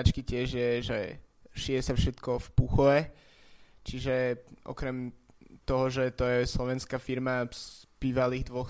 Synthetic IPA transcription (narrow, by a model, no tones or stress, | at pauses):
at͡ʃkicɪɛʒjɛʒɛ | ʃiɛsafʃɛt̪kɔfpuxɔʋɛ | t͡ʃiʒɛʔɔ̰kɾɛmt̪ɔɦɔʒɛt̪ɔjɛslɔʋɛnskafiɾmab̥iːʋaliːɣd̪ʋɔx